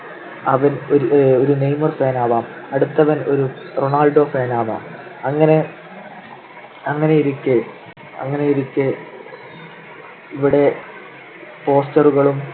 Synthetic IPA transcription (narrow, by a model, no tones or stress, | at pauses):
ɐʋɐnooɾunejmɐrfeːnaːʋaːmɐɽut̪ːɐʋɐno̞ɾuroɳaːlɖo̞ːfeːnaːʋa̰ːmɐŋːɐne̞ | ɐŋːɐnejiɾukʲːe | ɐ̰ŋːɐne̞jiɾukʲːe | iʋiɽe̞ | po̞ːstɐruɣɐɭum